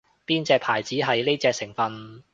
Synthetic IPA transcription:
piː˥nt͡sɛː˧k̚pʰaː˨˩jt͡siː˨˥ɦɐ˨jle˥jt͡sɛː˧k̚sɪ˨˩ŋfɐ˨˧n

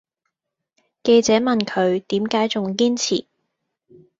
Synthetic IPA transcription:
ke˧jt͡sɛː˨˥mɐ˨nkʰɵ˨˧ɥt̪iː˨˥mkaː˨˥jt͡sʊ˨ŋkiː˥nt͡sʰḭː˨˩

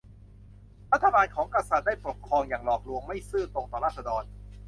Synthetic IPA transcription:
ɾa˦˥t̪ʰːa˧baː˧nkʰɔː˩˦ŋka˧sa˨˩t̪̚daː˥˩jpo˨˩p̚kʰɾɔː˧ŋjaː˨˩ŋlɔː˨˩k̚lu˧əŋma˥˩jsɯː˥˩t̪o˧ŋt̪ɔː˨˩ɾaː˥˩sa˧dɔː˧n

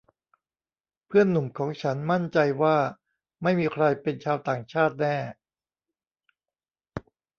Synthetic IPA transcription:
pʰɯ˥˩ənːu˨˩mkʰɔː˩˦ŋt͡ɕʰa˦˥nma˥˩nt͡ɕa˧jwaː˥˩ | ma˥˩jmiː˧kʰɾa˧jpe˧nt͡ɕʰaː˧wt̪aː˨˩ŋt͡ɕʰaː˥˩t̪̚nɛː˥˩

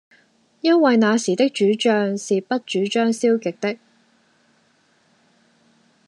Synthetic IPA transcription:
jɐ˥nwɐ˨jnaː˨˧siː˨˩t̪ɪ˥k̚t͡ʃyː˨˥t͡ʃœː˨˧ŋsiː˨pɐ˥t̚t͡ʃyː˨˥t͡ʃœː˥ŋsiː˥wkɪ˨k̚t̪ɪ˥k̚

